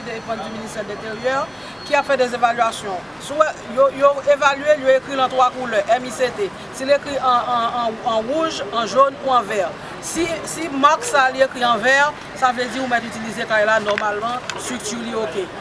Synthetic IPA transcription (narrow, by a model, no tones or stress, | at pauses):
id̪eefɔ̃nd̪yminist̪ɛd̪lɛ̃t̪eʁjœʁ | kiafɛd̪ɛzevalɥasjɔ̃ | suɛjojoevalyeljoekʁilɑ̃t̪ʁwakulœʔɛmiset̪e | silekʁiʔɑ̃ɑ̃ʁuʒɑ̃ʒonuɑ̃vɛʁ | sisimaʁksaliekʁiɑ̃vɛʁ | savlɛd̪iʁũmɛt̪yt̪ilizekajlanɔʁmalmɑ̃st̪ʁyk̚t̪yʁlioke